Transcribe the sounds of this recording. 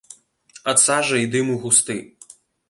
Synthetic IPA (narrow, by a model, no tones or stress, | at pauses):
ɐt̪sɑʒɐid̪ɪmuɣʊst̪ɪ